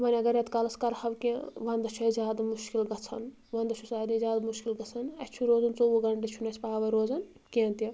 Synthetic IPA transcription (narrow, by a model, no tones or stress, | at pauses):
mɐnʲɐɡɐɾet̪kɐlɐskɐɾhɐʋkẽʋɐnd̪ɐt͡ʃʰuzʲjaːd̪amuʃkilɡɐt͡sʰɐ̰n | ʋɐnd̪ɐt͡ʃʰusaːd̪izʲjaːd̪muʃkilɡɐt͡sʰɐnɐt͡ʃʰuɾoːzɐnt͡souɡɐɳʈet͡ʃʰunɐt͡ʃʰpaːʋɐɾoːzɐn | kẽnt̪i